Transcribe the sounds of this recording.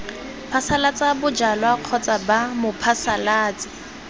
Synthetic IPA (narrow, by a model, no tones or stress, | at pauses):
pʰasalat͡sʼabʊd͡ʒalwaq͡χʰɔt͡sʼabamʊpʰasalaːt͡sʼɪ̥